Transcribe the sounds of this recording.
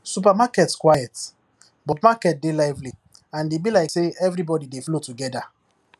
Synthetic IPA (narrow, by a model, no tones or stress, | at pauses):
sup̬amakɛtskwajɛt | bɔpmakɛt̚delaɪvli | ãndebilaɪkseɛvɹibɔdideflotuɡɛda